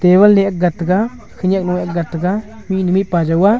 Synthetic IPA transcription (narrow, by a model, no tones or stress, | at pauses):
t̪eβalneʔak̚ɡat̪ɡa | kʰəɲak̚nuwek̚ɡat̪ɡa | minumiʔpad͡ʒawa